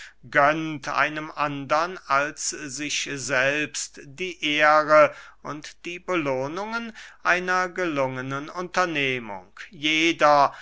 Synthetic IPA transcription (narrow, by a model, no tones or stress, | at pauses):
ɡœntʔa̰ɪnəmʔandɐnalszɪçzɛlpstd̥iːʔeːʁəʔʊntd̥iːbəloːnʊŋənʔaɪnɐɡəlʊŋənənʊntɐneːmʊ̰ŋkjeːdɐ